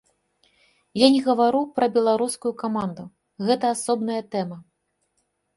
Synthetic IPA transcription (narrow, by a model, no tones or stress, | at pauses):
janʲɛɣɐvaɾupɾɐbʲɛlˠaɾuskujukamand̪u | ɣɛt̪ɐːsɔbnɐjɐt̪ɛmɐ